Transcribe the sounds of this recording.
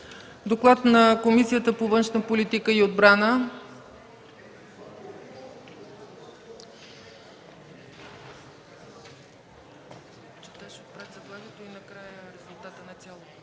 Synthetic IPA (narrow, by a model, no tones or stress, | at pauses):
d̪oklˠat̪nɐkomisijət̪əpovənʃnəpolit̪ikəiod̪bɾanə | t͡ʃɛt̪aʃɛot̪̚pɾat̪zɐblˠaɡʲɛt̪oinɐkɾajəɾɛzolˠt̪at̪ənɐt̪sʲalˠo